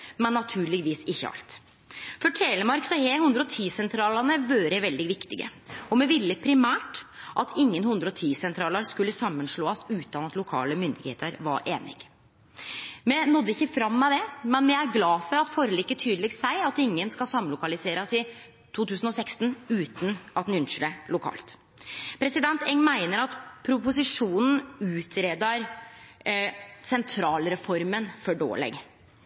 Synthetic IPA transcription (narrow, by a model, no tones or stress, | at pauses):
mɛnːɑt̪ʰʉːɭɪɡʋiːsɪçːə̰ɑ̰lt̪ | fɔʈʰeːləmɑɾksɔhehʉnd̪ɾɔt̪ʰiːsɛnt̪ʰɾɑːlɑnəʋøːɾəʋɛld̪ɪʋɪkt̪ɪɡə̰ɔmɛʋɪlːəpʰɾɪmæːʈʔɑt̪ʰɪŋːənhʉnd̪ɾɔt̪ʰiːsɛnt̪ʰɾɑːləɾskʉlːəsɑmːənʂɭoːɑsʉːt̪ɑnɑt̪lʊkʰɑ̰ːləmʏnd̪ɪɡhḛːt̪ʰəɾʋɑ̰ɾʔeːnɪ̰ɡ̥ | mɛnɔd̪ːəɪçːəfɾɑmːɛd̪ɛmɛnmɛæɾɡlɑːfɔɾɑt̪fɔːɾəliːkːət̪ʰyːd̪əlɪɡ̪sæɪɑt̪ɪŋːənskɑlsɑmlʊkɑlɪseːɾɑsɪ | t̪ʰuːt̪ʰʉːsn̩ɔsɛkst̪n̩ʉːt̪nʔɑt̪hnʉnʂʏləlʊkʰɑ̰ːlt̪ | pʰɾɛsɪd̪ɛnt̪ʰɛŋmæɪnəɾɑt̪pʰɾʊpʊsɪʂuːnn̩ʉːt̪ʰɾeːd̪ɑɾ | sɛnt̪ʰɾɑːlɾɛfɔɾmənfɔɖo̰ːlɛ̰ɡ